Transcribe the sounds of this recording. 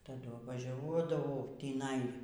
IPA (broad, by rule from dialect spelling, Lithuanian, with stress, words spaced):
tɐˈdʊ ʋɐˈʒʲuɔdɐʋɐʊ tʲiːˈnɐɪ